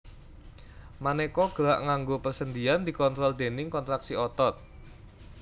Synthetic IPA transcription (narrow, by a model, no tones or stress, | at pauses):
manekɔɡ̥əɾaʔŋaŋɡopərsənd̪iand̪i̤kɔnt̪ɾɔld̪̥e̤nɪŋkɔnt̪ɾaksiɔt̪ɔt̪̚